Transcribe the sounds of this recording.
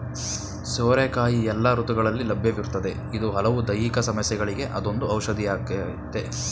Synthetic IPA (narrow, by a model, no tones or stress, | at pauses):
soːɾekaːjiɛlːɐɾut̪uɡɐɭɐlːilɐbʱjɐʋiɾut̪ːɐd̪e̞ | id̪uɦɐlɐʋud̪ɐjikɐsɐmɐsjɛɡɐɭiɡe̞ʔɐd̪o̞nd̪uɐwʃɐd̪ʱijaːɡ | t̪ːe